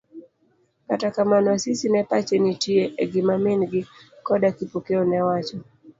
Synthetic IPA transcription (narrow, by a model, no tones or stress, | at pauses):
katakamanwsisinapat͡ʃɛnitiɛʔɛɡimaminɡikɔɗakipukɛɔnɛwat͡ʃɔ